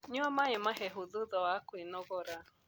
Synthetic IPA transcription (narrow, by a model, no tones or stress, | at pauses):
ɲʊamaɲɪmaɦeɦʊðʊðɔakʷɪnɔɡɔɾa